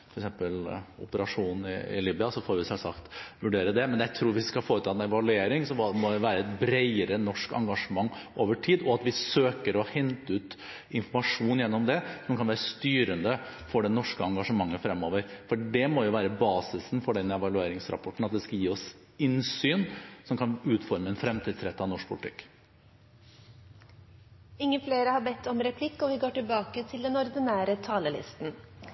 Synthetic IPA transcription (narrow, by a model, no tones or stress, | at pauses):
fɔɾɛksɛmpəlʊ̰pəɾɑʂuːnn̩ɪ̰ɪ̰liːbʏɑsɔfoːɾʋɪsɛlsɑkt̪ʋʉɖeːɾəd̪ɛmɛnjæɪt̪ʰɾuːɾʋɪskɑfoːɾət̪ʰɑːɛnɛʋɑlʉeːɾɪŋsɔmɔd̪ɛʋæːɾəɛt̪bɾeɪəɾənɔʂkɑ̰ŋɡɑʂəmɑŋːoːʋəʈʰiːd̪ɔɑt̪ʋɪsøːkəɾɔhɛnt̪əʉːt̪ | ɪnfɔɾmɑʂuːnjɛnːɔmd̪ɛsɔmkʰɑnʋæːɾəst̪yːɾənd̪əfɔɖɛnɔʂkəɑŋɡɑʂəmɑŋːəfɾɛmːoːʋəɾfɔɖɛmojʊʋæːɾəbɑːsɪsnfɔɖɛnːɛʋɑlʉeːɾɪŋsɾɑ̰pʰɔʈːɳ̩ɑt̪̚d̪ɛskɑljiːɔs | ɪnsyːnsɔmkʰɑnʉːt̪fɔɾməɛnfɾɛmt̪ʰiːd̪sɾɛt̪ːəɑnɔʂk̚pʰʊlɪt̪ʰɪ̰kː | ɪŋːəfleːɾəhɑɾbɛt̪ʰːɔmɾɛpʰlɪkːɔʋɪɡoːʈɪlbɑːkət̪ʰɪld̪ɛnɔɾd̪ɪnæːɾət̪ʰɑːləlɪ̰st̪n̩